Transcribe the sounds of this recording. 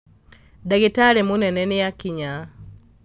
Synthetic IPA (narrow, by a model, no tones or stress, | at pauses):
daɡitaɾɛmunɛnɛnɪjakiɲa